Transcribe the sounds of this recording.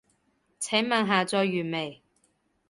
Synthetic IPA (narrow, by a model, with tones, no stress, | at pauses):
t͡sʰɛ˨˥ŋmɐː˨˧ŋɦaː˨t͡sɔː˧jːyː˨˩me˨˩j